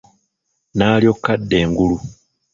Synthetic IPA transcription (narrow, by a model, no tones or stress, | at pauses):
naːljo̞kːadːe̞ːŋɡulu